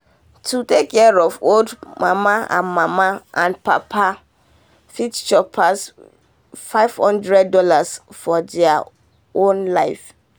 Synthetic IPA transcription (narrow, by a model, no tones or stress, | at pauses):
tʰutekʰːɛɹɔvoldmamaã̰nmãmaãnpa̰pʰa | fitt͡ʃɔpʰas | faɪv̥hɔ̃ndɹɛdːɔlasfɔdɛa | õnlaɪf